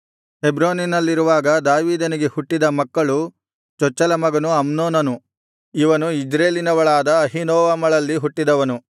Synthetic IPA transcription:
ebɾoːninɐlːiɾuʋaːɡɐd̪aːʋiːd̪ɐniɡehuʈːid̪ɐmɐkːɐɭu | t͡ʃɔt͡ʃːɐlɐmɐɡɐnuɐmnoːnɐnu | iʋɐnuid͡ʒɾeːlinɐʋɐɭaːd̪ɐːɦinoːʋɐmɐɭɐlːiɦuʈːid̪ɐʋɐnu

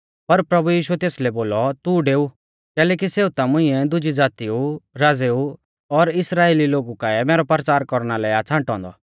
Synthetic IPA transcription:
pɐɾpɾɐbujiːʃʊɛt̪eːslɛboːlɔt̪uɖeːu | kɛːlɛːk̬iseːut̪amʊ̃ɪ̃ɛd̪ʊd͡ʒid͡zaːt̪iuɾaːd͡zeːu | ɔɾɪsɾaːeːliloːɡukaɛmeːɾɔpɾət͡ʃaːɾkɔɾɽ̃alɛat͡sʰãːɳʈɔ̃ːnd̪ɔ̰

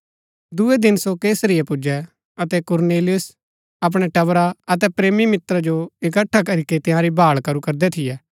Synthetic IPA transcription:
d̪ued̪ɪnsokeːsəɾɪjɛpʊd͡ʒɛ | ɐt̪ɛkʊɾneːlɪjʊs | ɐp̬ɽ̃ɛʈɐʋɾaɐt̪̬ɛpɾeːmimɪt̪ɾad͡ʒoɪkəʈʰːakɐɾiket̪ɪ̃jãːɾibʱaːɭkɐɾukɐɾd̪ɛt̪ʰɪjɛː

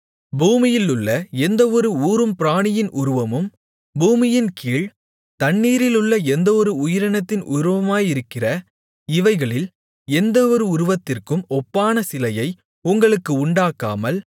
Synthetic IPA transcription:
buːmɪjɪlʊɭːɐɛnd̪ɐɔɾɯuːɾɯmpɪɾaːɳɪjɪnʔʊɾɯʋɐmɯm | buːmɪjɪnkiːɭ | t̪ɐɳːiːɾɪlɯɭːɐɛnd̪ɐɔɾɯʊjɪɾɐnɐt̪ːɪnʔʊɾɯʋɐmaːjɪɾɯkːɪrɐ | ɪʋɐɪɣɐɭɪl | ɛnd̪ɐɔɾɯʊɾɯʋɐt̪ːɪrkɯmɔpːaːnɐsɪlɐjɐɪ | ʊŋɡɐɭɯkːɯʊɳɖaːkːa̰ːmɐl

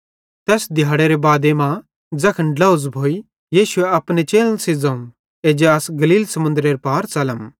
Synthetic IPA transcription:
t̪ɛːsd̪ʱɪjaːɽeɾebaːd̪emã | d͡zɐkʰənɖlɐuzbʱoːi | jiːʃʊeɐpnet͡ʃeːlə̃nsid͡zãːũ | eːd͡ʒeɐsɡɐliːlsɐmʊ̃nd̪ɾeɾpaːɾt͡sɐləm

